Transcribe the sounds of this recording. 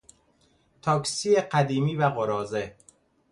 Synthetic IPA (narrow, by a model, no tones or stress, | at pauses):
t̪ʰɒːksieqæd̪iːmiːvæɣoɾɒːze